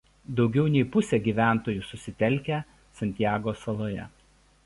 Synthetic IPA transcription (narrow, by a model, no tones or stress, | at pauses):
d̪ɒʊɡʲɛʊnʲɛɪpʊsʲɛːɡʲiːʋʲæˑnˑt̪oːjusʊsʲɪt̪ʲɛlʲˑkʲæˑ | sɐnʲt̪ʲɪjæːɡoːsɐlˠoːjɛ̰